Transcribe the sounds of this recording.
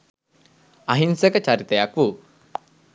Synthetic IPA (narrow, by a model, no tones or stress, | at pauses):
ɐɦinsəkət͡ɕaɾit̪əjakʋu